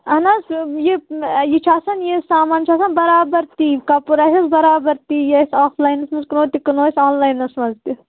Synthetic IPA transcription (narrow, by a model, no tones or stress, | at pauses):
ɐnasjejet͡ʃʰaːsɐnjesaːmaːnt͡ʃʰaːsɐnbɐɾaːbɐɾt̪iːkapuɾasɐsbɐɾaːbɐɾt̪iːjesaːflaːjnɐsmɐnzkɐnoːt̪ikɐnoːsʲoːnlaːjnɐsmɐzt̪i